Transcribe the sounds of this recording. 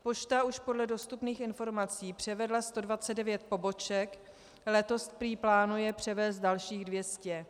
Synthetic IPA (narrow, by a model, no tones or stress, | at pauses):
po̞t͡ʃt̪auʃpodlɛdo̞st̪upniːxɪnfo̞ɾmat͡siːpr̝̥ɛvɛdlast̪o̞dvat͡sɛdɛvjɛt̪̚po̞bo̞t͡ʃɛk | lɛt̪o̞st̪pɾiːplaːnujɛpr̝̥ɛvɛːst̪̚dalʃiːɣdvjɛscɛ